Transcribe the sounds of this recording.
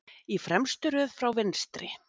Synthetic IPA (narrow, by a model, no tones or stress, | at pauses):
ifɾɛmst̪ʏɾœðfɾawvɪnst̪ɾɪ̰